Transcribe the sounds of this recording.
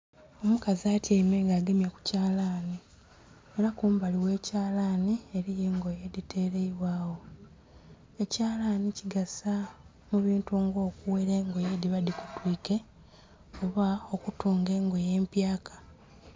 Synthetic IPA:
o̞mukaziaːtjemeŋɡaːɡemjaku̥caːlaːni | e̞ɾakuːmbaliwe̞ːcaːlanie̞ɾije̞ːŋɡojedite̞ːɾe̞iβwaːwo̞ | e̞caːlaniciɡasa | muβiːntuoːŋɡo̞ːkuweɾeŋɡo̞jediβadikutwiːke̞ | oβao̞kutuːŋɡe̞ːŋɡo̞je̞ːmpjaːkḁ

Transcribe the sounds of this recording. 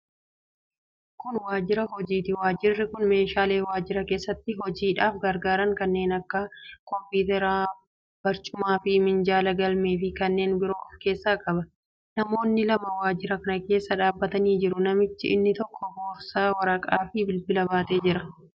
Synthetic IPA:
kʊnwaːd͡ʒɪɾɐɦɔd͡ʒiːt̪ɪwaːd͡ʒɪrːɪkʊnme̞ːʃaːle̞ːwaːd͡ʒɪɾɐke̞ːsːɐt̪ːɪɦɔd͡ʒiːᶑaːfɡɐɾɡaːɾɐŋkɐnːe̞ːnɐkːɐkɔmpiːt̪ɛɾaː | b̥ɐɾt͡ʃʼʊmaːfɪmɪnd͡ʒaːlɐɡɐlme̞ːfɪkɐnːe̞ːnbɪɾoːʔɔfke̞ːsːaːkʼɐbɐ | nɐmo̞ːnːɪlɐmɐwaːd͡ʒɪɾɐkɐnɐke̞ːsːɐᶑaːbːɐt̪ɐniːd͡ʒɪɾʊnɐmɪt͡ʃːɪ̰ʔɪ̰nːɪt̪ɔkːɔhoːfsaːwɐɾɐkʼaːfɪbɪlbɪlɐbaːt̪e̞ːd͡ʒɪɾɐ

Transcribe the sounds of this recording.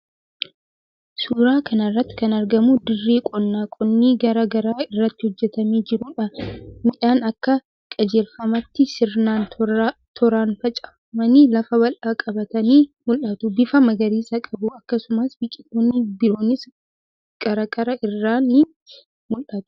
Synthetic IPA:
suːɾaːkɐnɐrːɐt̪ːɪ̥kɐnɐɾɡɐmʊd̪ɪrːeːkʼɔnːaːkʼɔnːiːɡɐɾɐɡɐɾaːɪrːɐt̪ːɪhɔd͡ʒːɛt̪ɐmiːd͡ʒɪɾʊᶑɐmɪᶑaːnɐkːɐ | kʼɐd͡ʒe̞ːlfɐmɐt̪ːɪsɪɾnaːnt̪ʰɔɾaːnfɐt͡ʃʼɐ̥ | mɐnilɐfɐbɐlʔaːkʼɐbɐt̪ɐniːmʊlʔɐt̪ʊbɪfɐmɐɡɐɾiːsɐkʼɐbʊɐkːɐsʊmasbɪkʼɪt̪oːnːɪbɪɾoːnːɪs | ɡ̥ɐɾɐkʼɐɾɐʔɪrːaːnːɪ | mʊlʔɐt̪ʊ̥

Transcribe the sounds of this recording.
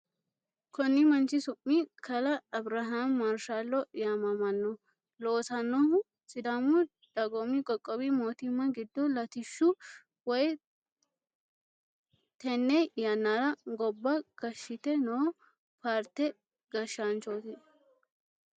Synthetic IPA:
kɔnːɪmɐnt͡ʃɪsʊmːikʰɐlɐːbɾɐɦamːɐɾʃalːɔjaːmɐmɐnːɔ | loːsɐnːɔhʊ | sʼɪd̪amʊ | d̪̥ɐɡɔmikʼɔkʼːɔbimoːt̪ɪmːɐɡɪd̪ːɔlɐt̪ɪʃːʊ | wɔj | t̪ɛnːɛjjɐnːaɾɐɡɔbːɐɡ̥ɐʃːɪt̪ɛnoː | paːɾt̪ɛ | ɡɐʃaːnt͡ʃoːt̪ɪ

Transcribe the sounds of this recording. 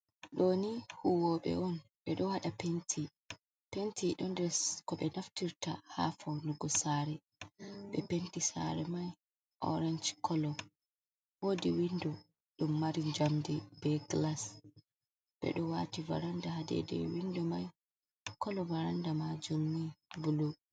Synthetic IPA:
ɗonihuwɔɓɛ̰ʔɔnɓɛɗɔhaɗapentʰi | pentiɗɔndɛskɔɓɛnaftiɾtaha̰fawluɡɔsaɾɛ | ɓɛpentisa̰ɾɛmaj | ʔɔ̰ɾɛnd͡ʒkʰɔlɔ | wodiwindɔ | ɗumːaɾiɲd͡ʒamdibɛɡlas | ɓɛ̰ɗɔwativa̰ɾandahadɛ̰dɛ̰windɔmaj | kɔlɔvaɾandamad͡ʒumːibulu

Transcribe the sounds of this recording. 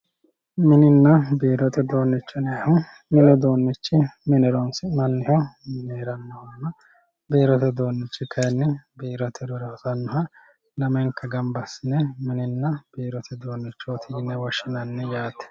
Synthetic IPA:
mɪnɪnːɐbeːɾɔt̪ɛd̪o̞ːnːɪt͡ʃːɔnɛɐhɔ | mɪnɔd̪oːnːɪt͡ʃːɪmɪnɛɾɔnsɪmɐnːɪhɔneːɾɐnːɔhɔnːɐ | beːɾɔt̪ɛd̪o̞ːnːɪt͡ʃːɪkʰɐjnːɛbiːɾɔt̪ʰɛd̪ɔɾɐtɐnːɔɦɐ | lɐmɐŋkːɐɡɐmbɐsɪnɛmɪnɪnːɐb̥eːɾɔt̪ʰɛd̪o̞ːnːɪt͡ʃːɔɔt̪ʰiːnɛwɔʃɪnɐnːɛjaːt̪ːɛ̥

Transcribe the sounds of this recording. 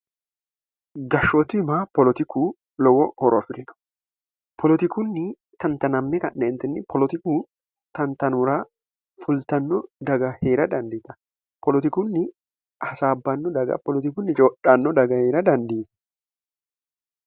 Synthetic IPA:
ɡɐʃːɔt̪ɪmaːpɔlɔt̪ɪkuː | lɔwɔhɔɾɔɐfɪɾɪnɔ̥ | pʰɔlɔt̪ɪkunːɪ | t̪ɐnt̪ɐnɐmːɪkɐnnɛːnt̪ɛnːɪpʰɔlɔt̪ɪkuː | t̪ɐnt̪ɐnʊɾaː | fʊlt̪ɐnːɔd̪ɐɡɐheːɾɐd̪ɐnd̪iːt̪ɐ̥ | pɔlɔt̪ɪkunːɪ | hɐsaːbːɐnːɔd̪ɐɡɐ̰pɔlɔt̪ɪkunːɪt͡ʃoːᶑanːɔd̪ɐɡɐheːɾɐd̪ɐnd̪iːt̪ɐ̥

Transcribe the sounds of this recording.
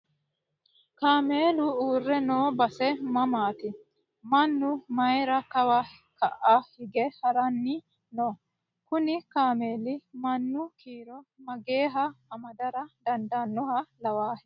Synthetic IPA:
kaːmeːlʊuːrːɛnoːbɐsɛmɐmaːt̪ɪ | mɐnːʊmɐjɾɐkɐwɐ | kɐʔahɪɡɛhɐɾɐnːi | noː | kʊnɪkaːme̞ːlɪmɐnːʊkiːɾɔmɐɡe̞ːɦɐːmɐd̪ɐɾɐd̪ɐnd̪anːɔhɐlɐwaːhɛ

